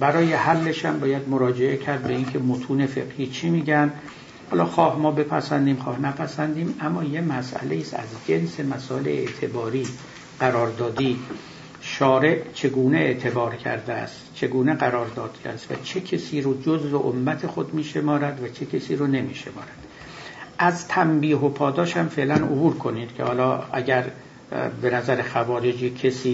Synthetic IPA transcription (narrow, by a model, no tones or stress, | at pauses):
bæɾɒːje̞hælːe̞ʃæmbɒːjæd̪moɾɒːd͡ʒe̞ʔe̞cʰæɾd̪̚be̞incʰe̞mot̪ʰuːne̞feɡhiːt͡ʃʰimiːɟæn | hɒːlɒːxɒːhmɒːbe̞pʰæ̰sænd̪iːmxɒːhnæpʰæsænd̪iːmæmːɒːje̞mæsʔæ̰leiːsæ̰zd͡ʒe̞nse̞mæsɒːeleḛt̪ʰe̞bɒːɾiː | ɢ̥æɾɒːɾd̪ɒːd̪iː | ʃɒːɾe̞ʔt͡ʃʰe̞ɡuːneeʔt̪ʰe̞bɒːɾcʰæ̰ɾd̪eæ̰st̪t͡ʃʰe̞ɡuːneɣæɾɒːɾd̪ɒːd̪̥kʰæ̰st̪væ̰t͡ʃʰecʰesiːɾod͡ʒozveʔomːæt̪ʰexo̞d̪miːʃe̞mɒːɾæd̪væt͡ʃʰecʰesiːɾone̞miːʃe̞̰mɒːɾæd̪̥ | ʔæzt̪ʰæmbiːɦo̞pʰɒːd̪ɒːʃæmfe̞ʔlænʔobuːɾkʰo̞niːd̪̥cʰehɒːlɒːæɟæɾ | be̞næzæɾexævɒːɾed͡ʒiːcʰesiː